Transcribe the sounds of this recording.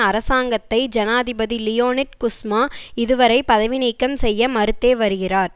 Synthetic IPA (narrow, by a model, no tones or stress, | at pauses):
ɐɾɐsaːŋɡɐt̪ːɐɪd͡ʒɐnaːðɪbɐðilɪjoːnɪʈ̚kʊsmaːɪðɯʋɐɾɐɪpɐðɐʋɪniːkːɐmsɛjːɐmɐɾɯt̪ːeːʋɐɾɯɣɪraːɾ